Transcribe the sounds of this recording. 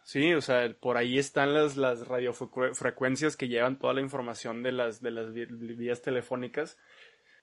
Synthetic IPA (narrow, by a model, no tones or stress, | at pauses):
sio̞seapo̞ɾaie̞st̪anlaslasrað̞jo̞ffɾe̞kwe̞nsjaske̞ʝe̞βant̪o̞ð̞a̰laiɱfo̞ɾmasjo̞nd̪e̞lasðe̞lazβiast̪e̞le̞fo̞nikas